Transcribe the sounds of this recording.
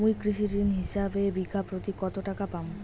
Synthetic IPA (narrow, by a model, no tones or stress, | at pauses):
mujkɾiʃiɾimɦiʃabebikapɾot̪ikɔt̪oʈakapam